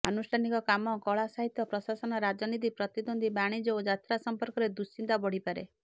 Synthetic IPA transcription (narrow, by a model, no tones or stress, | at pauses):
a̰nusʈʰanikɔkamɔkɔɭasaɦit̪jɔpɾɔsasɔnɔɾad͡ʒɔnit̪̬ipɾɔt̪id̪ond̪ʱibaɽ̃id͡ʒɔod͡ʒat̪ɾasɔmpɔɾkɔɾed̪usint̪abɔɽ̤ipaɾḛ